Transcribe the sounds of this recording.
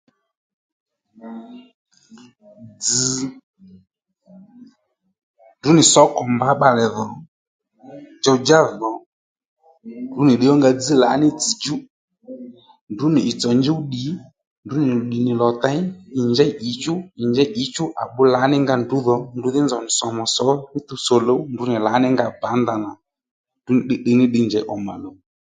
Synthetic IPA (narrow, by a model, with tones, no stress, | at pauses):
d͡zi˨ | ndu˨˦nɪ˨sɔ˨˦kɔ˨mba˨˦ɓa˨lɛ˨ðɔ˨ | d͡ʒɔ˧d͡ʒa˦ðɔ˨ | ndu˨˦nɪ˨ɗɪ˨˦ɔ˦ŋɡa˧d͡zi˦la˨˦nɪ˦t͡si˨d͡ʒu˦ | ndu˨˦nɪ˨ɪ˨t͡sɔ˨ɲd͡ʒi˦u˦ɗi˨˦ | ndʊ˨˦nɪ˨u˨ɗi˨nɪ˨lɔ˨ta˦ɪ˨ɲd͡ʒɛ˦ʔi˨˦t͡ʃʊ˦ɪ˨ɲd͡ʒɛ˦ʔi˨˦t͡ʃʊ˦ʔa̰˨ɓʊ˨˦la˨˦nɪ˦ŋɡa˧ndʊ˨˦ðɔ˨ndʊ˨˦ðɪ˦nzɔ˨nɪ˨sɔ˨mɔ˨sɔ˨˦nɪ˦t̪u˧sɔ˨lo˨˦ndʊ˨˦nɪ˨la˨˦nɪ˦ŋɡa˧ba˨˦nd̪a˨na˨ | ndu˦nɪ˨ɗɪ˦ɗɪ˧nɪ˦ɗɪ˧ɲd͡ʒɛ˨˦ʔɔ˨ma̰˨lo˨˦